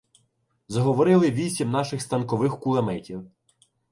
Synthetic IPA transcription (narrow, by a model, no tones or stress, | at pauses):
zɐɦɔʋɔɾɪlˠɪʋʲisʲimnɑʃɪxst̪ɐnkɔʋɪxkʊlˠɐmɛtʲiw